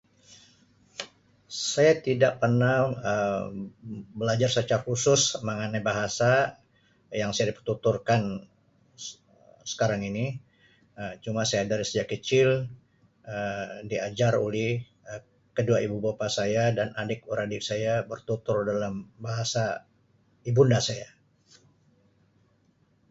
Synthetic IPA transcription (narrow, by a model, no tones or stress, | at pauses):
sajat̪idaʔ̚pərnaə | bəlad͡ʒarsət͡ʃaɾahusʊsməŋanajbaɦasa | jaŋsajadipərt̪ut̪urkan | sə̥kaɾaŋini | ət͡ʃumasajadaɾisəd͡ʒakət͡ʃɪl | ədiad͡ʒarolɛh | ə | kəduaibubapasajadanʔadɪk̚uɾadɪksajabərt̪ut̪ʊrdalambaɦasa | ibundasaja